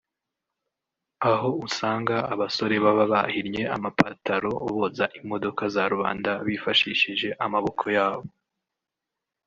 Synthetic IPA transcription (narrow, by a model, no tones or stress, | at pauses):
aɦo̞usaːŋɡaːβaso̞ɾe̞βaβaβa̰hiɾje̞amapataɾo̞βo̞zaʔimo̞do̞kazaɾuβa̰ːndaβifaʃiːʃiʒe̞ʔamaβo̞kʰo̞jaːβo̞